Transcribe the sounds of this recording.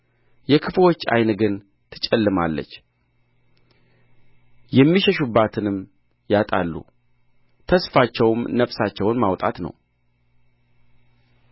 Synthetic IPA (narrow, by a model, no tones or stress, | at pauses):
jɛkʰɨflo̞t͡ʃːa̰jnɨɡɨn | t̪ʰɨt͡ʃʼɛlːɨma̰lːə̰t͡ʃː | jɛmːiʃɛʃubːat̪ʰɨnɨm | jat̪ʼa̰lːṵ | t̪ʰəsfat͡ʃːɛwmnəfsat͡ʃːɛwʊnmawt̪ʼa̰t̪nə̰w